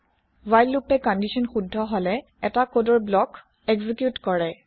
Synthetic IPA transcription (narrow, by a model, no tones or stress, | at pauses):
wajlːupɛkɔndisɔnxudʱːɔɦɔlɛ | ɛtakodɔɹblɔk | ɛɡzikjutkɔɹɛ